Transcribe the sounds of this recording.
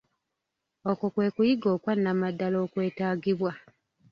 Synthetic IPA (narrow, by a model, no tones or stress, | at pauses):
okokwe̞ːkujiɡoːkwanːamadːalo̞ːkwe̞ːtaːɡiβwa